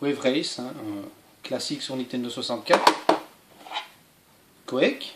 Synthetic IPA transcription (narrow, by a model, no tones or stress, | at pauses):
wɛvʁɛjsɛ̃ | klasiksuʁnit̪ɛnd̪əswasɑ̃t̪̚kʲat̪χ | kɔɛk